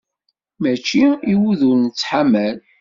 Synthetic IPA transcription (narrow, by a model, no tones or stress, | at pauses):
mæt͡ʃːiiwuðuɾnət͡sːħamæl